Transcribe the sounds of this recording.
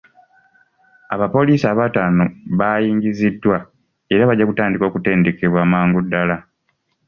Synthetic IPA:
aβapo̞liːsiaːβataːno̞βajiːŋɟizidːwa | e̞ɾaβaɟːakutaːndiko̞ːkute̞ːnde̞ke̞βwaːmaːŋɡudːala

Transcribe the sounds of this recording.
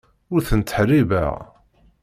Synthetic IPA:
ʊɾθənt̪ə̥ħrivæ̰

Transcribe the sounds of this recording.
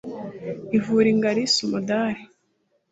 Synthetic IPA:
ivuɾiŋɡaɾisumodaɾi

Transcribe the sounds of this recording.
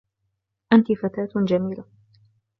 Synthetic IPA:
ʔant̪ifat̪aːt̪d͡ʒamiːla

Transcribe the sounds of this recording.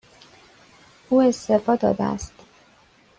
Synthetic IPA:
uːe̞st̪efɒːd̪ɒ̰ːd̪ḛæ̰st̪

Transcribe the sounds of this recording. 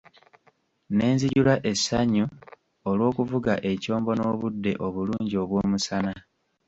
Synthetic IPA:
ne̞ːnziɟulaʔe̞sːaɲu | olwo̞ːkuvuɡaʔe̞co̞ːmbo̞no̞ːβudːe̞ʔo̞βuluːɲɟio̞βwo̞ːmusana

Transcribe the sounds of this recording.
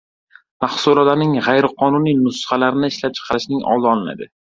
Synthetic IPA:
maχsuɾɒlanɪŋʁajɾɪqʰɒnʊnijnʊsχalaɾɪnɪɪʃlap̚t͡ʃʰɨ̥qʰɑɾɪʃnɪŋɒ̰lˠd̪ɪɒlˠɪna̰d̪ɪ̰

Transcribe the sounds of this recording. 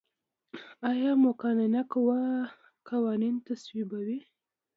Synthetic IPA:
ajɑmʊkɑnanakwa | kawɑnint̪aswibawi

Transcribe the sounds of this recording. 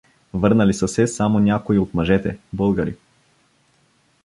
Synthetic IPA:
vəɾnalisasɛsamonʲakoiot̪maʒɛt̪ɛ̰bɔlˠɡaɾḭ

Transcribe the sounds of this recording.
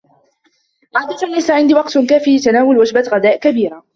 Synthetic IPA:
ʕaːd̪at̪anlajsaʕɪnd̪iwɑqt̪kaːfilɪt̪anaːwʊlwad͡ʒbaɣad̪aːʔkabiːɾa

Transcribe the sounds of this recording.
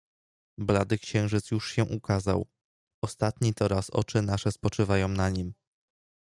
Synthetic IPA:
blad̪ɘkɕɛ̃w̃ʐɘt̪sjuʂɕɛʔukaza̰w | ɔst̪at̪ɲit̪ɔɾasɔ̰t͡ʂɘnaʂɛspɔt͡ʂɘvajɔ̃w̃naɲim

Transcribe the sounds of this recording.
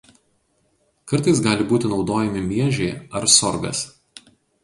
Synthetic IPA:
kɐɾt̪ɐɪs̬ɡɑːlʲɪbuːt̪ʲɪnɒʊd̪oːjɛmʲɪmʲiɛʒʲɛɪɐɾsɔɾɡɐ̰s

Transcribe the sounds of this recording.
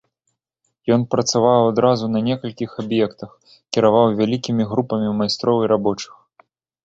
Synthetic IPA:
jɔnpɾɐt̪savawad̪ɾazunɐnʲɛkɐlʲkʲixabjɛkt̪ɐx | kʲiɾavawvʲalʲikʲimʲiɣɾupɐmʲimajst̪ɾɔwiɾabɔt͡ʂɨ̥x

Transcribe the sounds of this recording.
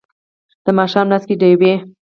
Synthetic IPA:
d̪̥əmɑʃɑmnaskeɖəjwe

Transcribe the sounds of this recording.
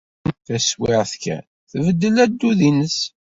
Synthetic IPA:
θæswɪʁθkæ̰n | θəvəd̪ːəlæd̪ːuðinəs

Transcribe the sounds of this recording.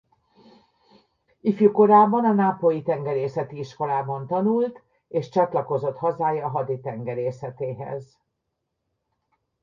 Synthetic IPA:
ifjuko̞ɾaːbɒnɒnaːpojit̪ɛŋɡɛɾeːsɛt̪iiʃko̞laːbɒnt̪ɒnult̪ | eːʃt͡ʃɒt̪lɒko̞zo̞t̪hɒzaːjɒɦɒd̪it̪ɛŋɡɛɾeːsɛt̪eːɦɛ̰z

